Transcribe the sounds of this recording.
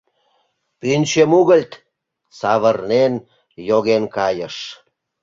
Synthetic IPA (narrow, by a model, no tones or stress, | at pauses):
pynʲt͡ɕəmuɣəlʲt̪ | sɑβərnen | joɣenkɑjəʃ